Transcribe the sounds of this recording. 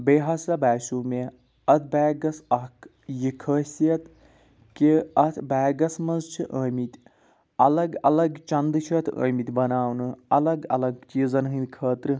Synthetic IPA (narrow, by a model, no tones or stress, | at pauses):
beːɦɐsɐbaːsʲuːme | ɐt̪ʰbaːɡɐsɐk | jikʰəːsiɐt̪ | keɐt̪ʰbɛːɡɐsmɐnzt͡ʃʰiʔəːmit̪ʲ | ɐlɐɡɐ̰lɐɡt͡ʃɐnd̪ɨt͡ʃʰit̪ʰə̰ːmit̪ʲbɐnaːwnɨɐlɐɡɐ̰lɐɡt͡ʃiːzɐnɦɨ̃nd̪ʲkʰəːt̪ɾɨ